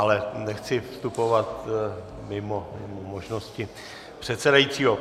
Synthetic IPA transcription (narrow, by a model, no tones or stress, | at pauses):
alɛnɛxt͡sɪfst̪upo̞vat̪ | mɪmomɪmomoʒnoscɪ | pr̝̥ɛt̪sɛdajiːt͡siːɦo